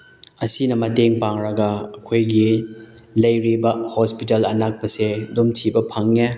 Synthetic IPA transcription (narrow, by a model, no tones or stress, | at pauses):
ɐsinɐmɐteŋpaŋɾɐɡɐɐkʰojɡi | lɐjɾibɐhospitɐlɐnak̚pɐsedumtʰibɐpʰɐŋːe